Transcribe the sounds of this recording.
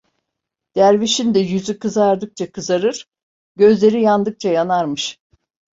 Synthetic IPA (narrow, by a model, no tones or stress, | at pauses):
d̪̥æɾviʃind̪ɛjyzykɯzaɾd̪ɯk̚t͡ʃʰakʰɯzaɾɯɾ̥ | ɟø̞zlʲe̞ɾijand̪ɯk̚t͡ʃʰajanaɾmɯʃ